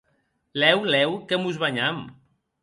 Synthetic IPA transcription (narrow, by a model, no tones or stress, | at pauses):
lɛwlɛwkemuzβaɲam